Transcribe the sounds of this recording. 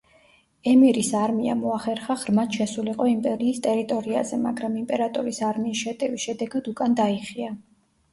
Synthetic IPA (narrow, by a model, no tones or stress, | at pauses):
ɛmiɾisaɾmiamɔaχɛɾχaʁɾmat̪ʃɛsuliqʼɔimpʼɛɾiːst̪ʼɛɾit̪ʼɔɾia̰zɛma̰ɡɾamimpʼɛɾat̪ʼɔɾisaɾmiːsʃɛt̪ʼɛvisʃɛd̪ɛɡad̪ukʼand̪aiχia